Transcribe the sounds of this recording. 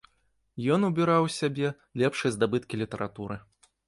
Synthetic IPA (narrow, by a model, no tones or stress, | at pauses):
jɔnubʲiɾawsʲabʲɛ | lʲɛpʂɨjɐzd̪abɨt̪kʲilʲit̪ɐɾʔat̪uɾɨ